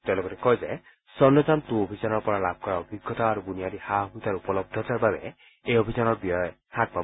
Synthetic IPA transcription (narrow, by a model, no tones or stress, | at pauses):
t̪elokɔt̪ekɔɦed͡ʒaj | sɔndɔd͡ʒant̪ũobʱid͡ʒanɔɾpɔɾalab̚ʱkɔɾaɔbiɡʱːɔt̪aːɾuɡuniaɾihamit̪aɾupɔlɔb̚d̪ʱɔt̪ʰaɾbabe | eobʱid͡ʒanɔɾbiɔj | hak̚ba